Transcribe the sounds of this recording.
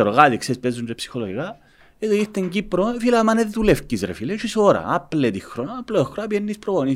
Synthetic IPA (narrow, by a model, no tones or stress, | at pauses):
eɾoɣad̪iksespezunepsi̥xoloɣiɣa | ed̪oit̪eŋɡipɾofilamaneðt̪ulefkizɾḛfilet͡ʃisoɾa̰aplet̪ixɾonploxɾabjenːispɾooni